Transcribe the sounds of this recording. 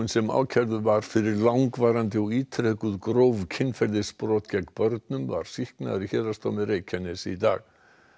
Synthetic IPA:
ʏnsɛma̰ːwcʰɛɾðʏvaɾ̥fɪɾɪɾlawŋkvaːɾant̪ɪɔɣiːt̪ʰɾɛkʏðkɾowvcʰɪnːfɛɾðɪspɾɔːt̪cɛkpœɾt̪nʏmva̰ɾ̥sihkna̰ðɾiçɛːɾast̪owmɪreːjcʰanːɪsit̪a̰ːɣ

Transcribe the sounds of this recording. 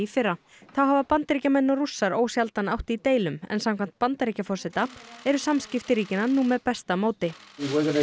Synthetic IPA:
ifɪrːa | θawɦaːvapant̪ɾicamɛnːɔrusːaɾoːwsjalt̪anawht̪it̪eːjlʏmɛ̰nsamkʰv̥an̥t̪̚pant̪ɾicafɔr̥sɛt̪aɛɾʏsamscɪft̪ɪɾiːcɪnanuːmɛðpɛst̪amoːwt̪ɪiwɔɡɔnə

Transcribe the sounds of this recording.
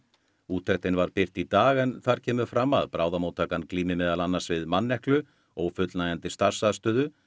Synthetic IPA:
uːt̪ʰɛht̪ɪnvaɾpɪr̥t̪it̪aːɣɛnθaɾ̥cʰɛːmʏfɾamːa̰ðpɾaːwðamoːwt̪ʰːaːkankliːmɪmɛːðalanːḁsvɪðmanːɛhklʏ | ɔɣfʏt̪lnaːjant̪ɪst̪ar̥saðst̪œːðʏ

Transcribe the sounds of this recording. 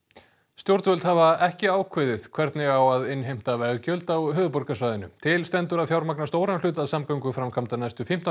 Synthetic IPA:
st̪jowɾt̪vœlt̪havaɛhcɪaːwkʰvɪðɪð̥kʰvɛɾt̪nɪɣawaðɪnɦejm̥t̪avɛɣcœlt̪awɦʏːðʏpɔɾkasvaːjðɪnʏ̰t̪ʰɪlst̪ɛnt̪ʏɾaðfjawɾmaknast̪oːwɾanlʏːt̪aðsamkaɥŋkʏfɾamkʰamt̪anajst̪ʏfim̥t̪a

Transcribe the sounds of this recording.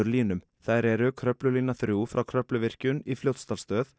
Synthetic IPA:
ʏɾliːnʏm | θajɾɛɾʏkʰɾœplʏliːnaθɾjuːfɾʔawkʰɾœplʏvɪr̥cʏnifljowt̪st̪alst̪œːθ

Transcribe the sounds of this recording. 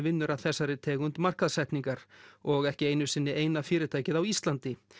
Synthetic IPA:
vɪnːʏɾaðθɛsːaɾɪt̪ʰɛːɣʏnt̪mar̥kaðsɛjht̪niŋkaɾɔɣɛhcɪeːjnʏsɪnːɪʔeːjnafɪːɾɪt̪ʰaːjcɪðawist̪lant̪ɪ

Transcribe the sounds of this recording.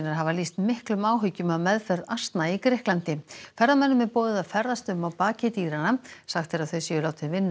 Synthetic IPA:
naɾɦavaliːst̪mɪhklʏmaːwɦʏcːʏmaðmɛðfɛɾðast̪naikɾɪhklant̪ɪfɛɾðamɛnːʏmɛɾpɔːðɪðafɛɾðast̪ʏmawpaːcɪt̪iːɾanasaxt̪fɛɾaðθœɥsɛʏlaːwt̪ɪvɪnː

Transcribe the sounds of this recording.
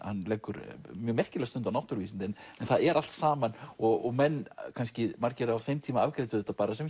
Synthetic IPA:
hanːlɛːjkːʏɾmjœːɣmɛr̥cɪlɛst̪ʏnt̪anawht̪ʏɾviːsɪnt̪ɪnɛnθaðɛɾʔal̥t̪saːmanɔɣɔɣmɛnːkʰanscɪmaɾcɛːɾɪawθejmt̪ʰiːmaavkɾet̪ʏðɛht̪apaːɾasɛm

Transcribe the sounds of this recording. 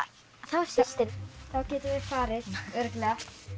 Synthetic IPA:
θawɛssɪθawcɛːt̪ʏvɪ̥faːɾɪθʏɾkna

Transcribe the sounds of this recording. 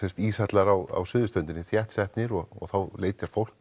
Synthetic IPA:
ɛ̥st̪iːsat̪laɾawa̰wsʏːðʏst̪œnt̪ɪnːɪθjɛht̪sɛht̪nɪɾɔɣɔ̰ɣθawleːjt̪ɪɾ̥fowl̥

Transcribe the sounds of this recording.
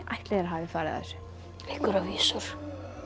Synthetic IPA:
ʔajht̪lɛðɛɾɦaːvɪfaːɾ̰ða̰ɾ̥ | ehkʏɾaviːsʏɾ̥

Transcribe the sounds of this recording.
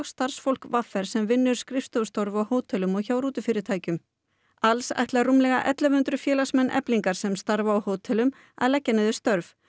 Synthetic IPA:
ɣst̪aɾ̥sfowlkvafːɛɾ̥sɛmvɪnːʏɾ̥skɾɪft̪owst̪ɔɾvawhoːwt̪ʰɛlʏmɔɣçawɾuːt̪ʏfɪɾɪɾt̪ʰaːjcʏm | alsa̰jht̪larumlɛɣa̰ʔɛ̰t̪lavʏnt̪ɾʏfjɛːlasmɛnːʔɛ̰pliŋkaɾ̥sɛmst̪aɾvaːwhoːwt̪ʰɛlʏm | a̰ðlɛcːanɪðɪst̪œɾv

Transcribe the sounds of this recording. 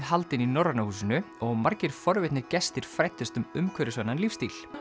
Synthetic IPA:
ðɦalt̪ɪninɔɾanahuːs̬ʏnʏ | ɔɣmaɾcɪɾ̥fɔɾvɪt̪nɪɾcɛst̪ɪɾ̥fɾajt̪ːʏst̪ʏmʏmkʰœɾɪsvanːanlifst̪il̥

